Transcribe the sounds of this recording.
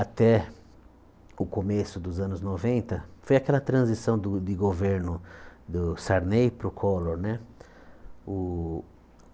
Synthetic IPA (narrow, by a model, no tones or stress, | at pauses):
at̪ɛ | ʊkomesʊd̪ʊzɐ̃nʊznovẽnt̪ɐfojakɛlɐt̪ɾɐ̃zisɐ̃w̃d̪ʊd̪ɪɡoveɾnʊd̪ʊsaɾnejpɾʊkʰɔloɾnɛ | ʊ